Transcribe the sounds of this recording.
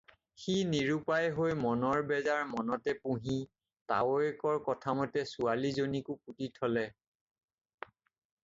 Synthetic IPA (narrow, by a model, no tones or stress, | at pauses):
xiniɹupajɦojmɔnɔɹbɛzaɹmɔnɔtɛpũɦi | ta̰woɛkɔɹkɔtʰamɔtɛsualizonikʊk̚utitʰɔlɛ